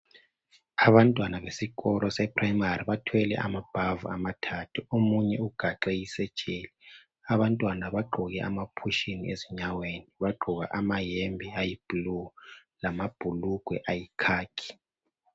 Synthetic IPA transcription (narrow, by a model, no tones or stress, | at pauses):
aβantʼwanaβesikɔlʔɔsɛpʰraimariβatʰwɛlɛ̰ʔa̰mab̥ʱavuamatʰatʰuomuɲɛuɡ̥ʱaǁɛjisɛ̥t͡ʃʼeːli | aβantʼwanaβaɡ͡ǃʱuɣɛʔa̰mapʰuʃinḭʔeziɲaweniβaɡ͡ǃʱuɣa̰ʔamajembʱiajib̥lulamab̥ʱuluɡ̥ʱwɛʔajikʰaːkʰi̥